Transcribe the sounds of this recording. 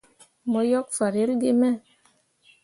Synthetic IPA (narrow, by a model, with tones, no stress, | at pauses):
mɔ˨jɔ˦k̚fa˨ɾe˨˦lɡe˦mɛ˦˨